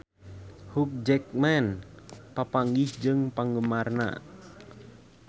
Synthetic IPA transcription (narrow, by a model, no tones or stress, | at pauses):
huk̚d͡ʒɛk̚mɛnpapaŋɡihd͡ʒɨŋpaŋɡəmarna̰